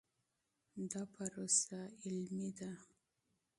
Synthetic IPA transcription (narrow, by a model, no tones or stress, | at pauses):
d̪apʰaɾosaɪlmid̪a